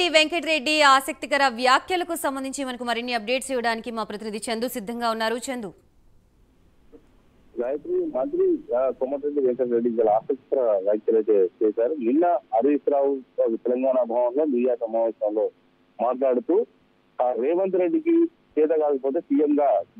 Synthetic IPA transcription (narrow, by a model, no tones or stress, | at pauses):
iʋeŋkeʈɾeɖːiaːsɐk̚t̪ikɐɾɐʋjaːkʰjɐlɐkusɐmbɐnd̪iɲt͡ʃimɐnɐkumɐɾinːiɐp̚ɖe̞ːʈsɛːʋɐɽaːnikimaːpɾɐt̪inid̪it͡ʃend̪usid̪ʱːɐŋɡaːunːaːɾut͡ʃend̪u | ɡaːjɐt̪ɾimɐnt̪ɾikumːɐʈɾeɖːiʋeŋkeʈɾeɖːiʋaːlɐaːsɐk̚t̪i̥kɐɾɐʋjaːkʰjɐlɐjt̪eːt͡ʃɛːsaːɾuniɳːɐɐɾuʋisɾaːwukɐt̪ɛlɐŋɡaːnabʱaːʋɐnlo̞ːnijaːsɐmaːʋeːʃɾanlo̞ː | maːʈlaːɽut̪uː | ɾɛːʋɐnt̪uɾeɖːiki | t͡ʃɛːt̪aːkaːkɐpoːt̪e̞ːsijɐmɡaː